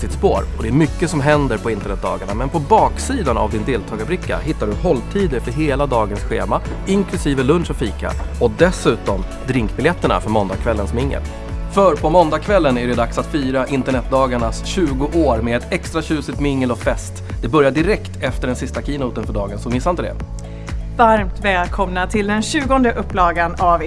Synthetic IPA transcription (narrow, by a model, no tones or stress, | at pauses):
sɪt̪spo̰ːɾɔd̪ɛæɾmʏkːəsɔmɦɛnd̪əɾpʰɔɪnt̪əɳɛt̪̚d̪ɑ̰ːɡaɳamɛnpʰɔbɑːksiːd̪ana̰vd̪ɪnd̪eːlt̪ʰɑːɡabɾɪkːa̰ɦɪt̪ːaɖɵhɔlːt̪ʰiːd̪ɪfœɾɦeːlad̪ɑːɡənsɧḛːma | ɪŋkʰlɵsiːvəlɵnʂɔfiːka̰ɔd̪ɛsʉ̟ːt̪ɔm | d̪ɾɪŋkbɪljɛt̪ːəɳa̰fœɾmɔnd̪akʰvɛlːənsmɪŋːə̰l | fœɾpʰɔmɔnd̪akʰvɛlːənæɖɛd̪aksat̪fyːɾaʔɪnt̪əɳɛt̪̚d̪ɑːɡaɳasɕʉ̟ːɡʊʔoːɾmeːɛt̪ʰɛkst̪ɾaɕʉ̟ːsɪt̪mɪŋːəlɔfɛst̪d̪ɛbœɾjaɖɪɾɛkt̪ɛft̪əɖɛnsɪst̪akʰiːnuːt̪ənfœɖɑːɡənsɔmɪsːant̪əd̪ɛ̰ | vaɾmt̪vɛːlkʰɔmnat̪ʰɪld̪ɛnɕʉ̟ːɡɔnd̪əʔɵpːlɑːɡanav